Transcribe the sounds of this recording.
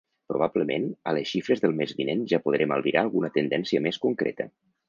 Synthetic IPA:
pɾuβ̞abləmenələsʃifɾəzðəlˠmezβinenʒapuðɾeməlˠβiɾʔaːlˠɣunət̪ənd̪ɛnsiəmeskuŋkɾḛt̪ə̰

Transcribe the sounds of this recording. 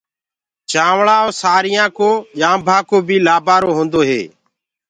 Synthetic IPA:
t͡ʃaːʋɭaːoːsaːɾɪjãːkoːʄãːmbʱãːkoːbʱiːlaːbaːɾoːɦõːnd̪oːɦḛː

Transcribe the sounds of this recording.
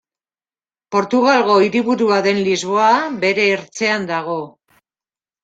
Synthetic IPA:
po̞ɾt̪uɣalɣo̞iɾiβuɾuaðe̞nlizβo̞abe̞ɾe̞ːɾt͡se̞and̪aɣ̞o̞

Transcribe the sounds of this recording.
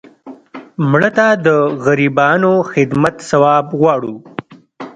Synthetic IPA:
mɳət̪ad̪əɣaɾibɑːnoxɪd̪mat̪sawɑːbɣwɑːɽu

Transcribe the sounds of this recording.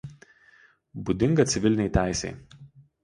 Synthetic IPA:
bud̪ʲɪŋɡɐt̪sʲɪʋʲɪlʲɪnʲɛɪt̪ʲæˑɪsʲɛ̰ɪ

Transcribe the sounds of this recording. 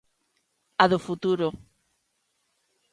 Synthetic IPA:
aðʊfut̪uɾo

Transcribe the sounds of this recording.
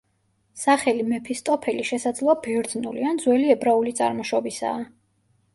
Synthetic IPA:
saχɛlimɛpʰist̪ʼɔpʰɛliʃɛsad̪zlˠɔabɛɾd̪nulḭand̪zwɛliɛbɾaulit̪sʼa̰ɾmɔʃɔbisa̰ː

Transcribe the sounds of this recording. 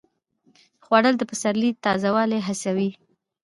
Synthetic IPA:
xwaɽəld̪əpəsaɾlit̪ɑzawɑleɦasawi

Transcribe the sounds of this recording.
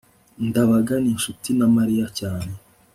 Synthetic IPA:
ndaβaɡaninʃutinamaɾijacaːne

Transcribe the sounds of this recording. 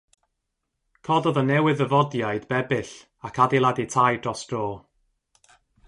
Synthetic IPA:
kʰɔdɔðənɛwɪðəvɔdjajdbɛbɪɬ | akʰadilˠaditʰajdrɔsd̥roː

